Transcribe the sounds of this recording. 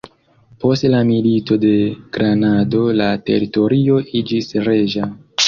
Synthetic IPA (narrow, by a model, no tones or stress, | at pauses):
po̞stlamilito̞de̞ɡ̥ɾanado̞late̞̰ɾito̞ɾio̞ʔid͡ʒisɾe̞ʒa